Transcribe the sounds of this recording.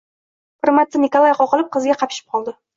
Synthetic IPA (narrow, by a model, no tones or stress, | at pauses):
pɨɾmat̪ːɪnikolˠajaqɒqɨlˠɪp̚qʰɨzɡʲaqʰɑpʰɪ̥ʃɪ̥p̚qʰɒlˠd̪ɪ